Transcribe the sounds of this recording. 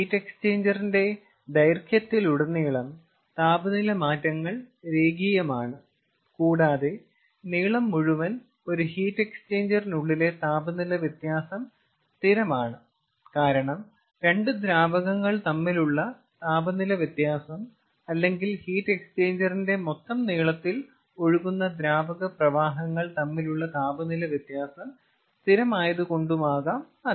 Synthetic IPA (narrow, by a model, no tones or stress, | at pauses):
hiːtːe̞kst͡ɕeːɲd͡ʑɐrinde̞ | d̪ɐjrkʰjɐt̪ːiluɽɐniːɭɐm | t̪aːbɐnilɐmaːtːɐŋːɐɭɾe̞ːɡijɐmaːɳɨ | kuːɽaːðe | niːɭɐmːuɻuʋɐn | o̞ɾuhiːtːe̞kst͡ɕe̞ːɲd͡ʑɐrinuɭːile̞t̪aːbɐnilɐʋjɐt̪jaːsɐm | st̪iɾɐmaːɳɨ | kaːɾɐɳɐm | ɾe̞ɳɖɨd̪ɾaːbɐɣɐŋːɐɭt̪ɐmːiluɭːɐ | t̪aːbɐnilɐʋjɐt̪jaːsɐm | ɐlːe̞ŋɡilhiːtːe̞kst͡ɕe̞ːɲd͡ʑɐrinde̞mo̞t̪ːɐmniːɭɐt̪ːil | o̞ɻuɣunːɐd̪ɾaːbɐɣɐprɐʋaːɦɐŋːɐɭt̪ɐmːiluɭːɐt̪aːbɐnilɐʋjɐt̪jaːsɐm | st̪ʰiɾɐmaːjɐðɨko̞ɳɖumaːɣaːm | ɐ